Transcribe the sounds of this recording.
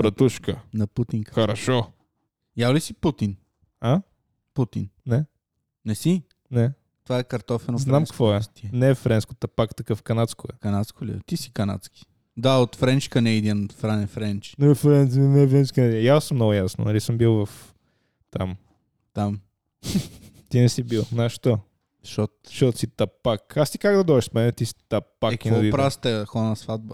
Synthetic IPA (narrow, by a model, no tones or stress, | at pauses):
pɾɐt̪uʃkənɐput̪iŋkxəɾɐʃɔ | jalisiput̪in | a | put̪innɛː | ɛsi | nɛ | t̪ovaɛkɐɾt̪ɔfɛnznamkvɔɛt̪nɛːfɾɛnsko̥t̪ɐpakt̪ɐkɤfkɐnat̪skʊɛ̰kɐnat̪skolḭt̪isi̥kɐna̰t̪ski̥ | d̪aot̪fɾɛnt͡ʃkɐnɛid̪infɾanɛfɾɛnt͡ʃnfɾɛnnɛfɾɛnt͡ʃkənɛd̪jasəmnɔɡʊjasno̰nɐlisəmbilˠvɐf | t̪am | t̪am | t̪inɛsibilˠnaʃt̪ɔ | ʃɔtʃɔt̪osit̪ɐpakast̪i̥kaɡd̪ɐd̪ɔɛʃsmɛnɛt̪isi̥t̪ɐpakinɐd̪ipɾast̪ɛxɔnɐsvad̪̚bɐ